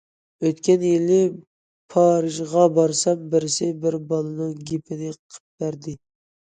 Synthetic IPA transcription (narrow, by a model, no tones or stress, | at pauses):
øt̪kʲɛnjɪlːɪ | pʰɑɾɨʒʁɑbɑɾsɑmbɪɾɪsɪbɪɾbɑlˠɨnɨŋɡʲipʰɪnɪqʰə̥p̚b̪æɾd̪ɪ